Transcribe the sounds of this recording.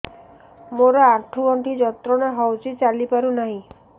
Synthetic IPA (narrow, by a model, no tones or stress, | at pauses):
moɾɔaʈʰuɔɳʈid͡ʒɔt̪ɾɔnaɦɔwt͡ʃʰit͡ʃalipaɾunaɦĩ